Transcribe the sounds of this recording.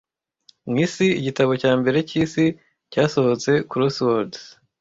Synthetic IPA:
mŋiːsiːɟitaβo̞caːmbe̞ɾe̞ciːsi | caːso̞hot͡se̞kuɾoswoɾd

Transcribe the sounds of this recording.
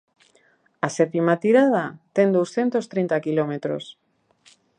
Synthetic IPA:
asepimat̪iɾað̞at̪end̪owsθje̞nt̪ost̪ɾent̪akilomet̪ɾo̰s

